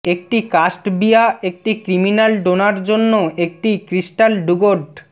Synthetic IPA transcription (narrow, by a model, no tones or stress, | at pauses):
ek̚ʈikasʈbijaek̚ʈikɾiminalɖonaɾd͡ʑonːoek̚ʈikɾisʈalɖuɡoɾɖ